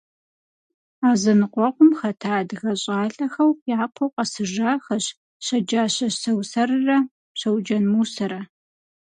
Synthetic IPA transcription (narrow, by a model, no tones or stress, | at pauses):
aːzɐnɨqʷʼɔqʷʊmxɐtʰaːdɣɐɕʼaːɬʼɐxɐwjaːpʰowqʼɐsɨʒaːxɐɕ | ɕɐd͡ʒaːɕɐsɐwsɐrɨrɐ | ɕɐwd͡ʒɐnmuːsɐɾɐ